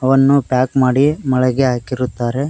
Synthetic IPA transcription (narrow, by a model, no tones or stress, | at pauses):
ɐʋɐnːupjaːkmaːɽimɐɭɐɡeɦaːkiɾut̪ːaːɾe̞